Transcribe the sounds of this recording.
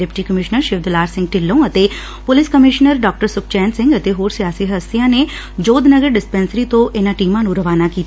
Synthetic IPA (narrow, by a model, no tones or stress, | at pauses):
epʈikəmɪʃnəɾʃɪʋd̪laːɾsɪ̃ŋɡ̚ʈɪlːõɐt̪e | pʊlɪskəmɪʃnəɾɖɔːk̚ʈəɾsʊk̚ʰt͡ʃɛːnsɪ̃ŋɡɐt̪eɦoːɾsijaːsiɦɐst̪ijãne | d͡ʒoːd̪nəɡəɾɖɪspɛ̃ːnsəɾit̪oʔɪnaʈiːmãnũɾɐʋaːnakiːt̪